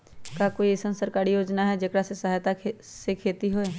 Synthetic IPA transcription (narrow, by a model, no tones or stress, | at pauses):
kakoːisənsəɾkaːɾijoːd͡ʒnaɦɛd͡ʒekɾasesɐɦajt̪a | sekʰeːt̪iɦoe